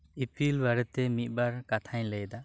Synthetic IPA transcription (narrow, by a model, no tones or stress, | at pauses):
ipilbaɾɛt̪ɛmit̪̚ˀbaɾkat̪ʰaɲləjd̪a